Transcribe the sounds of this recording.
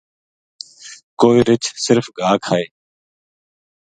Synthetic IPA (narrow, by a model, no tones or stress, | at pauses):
koːiːɾɪt͡ʃsɪɾfɡʱaːkʰaːeː